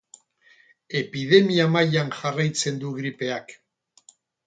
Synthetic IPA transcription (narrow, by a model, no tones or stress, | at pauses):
e̞pið̞e̞miamajanʝarajt͡se̞nd̪uɣɾipe̞ak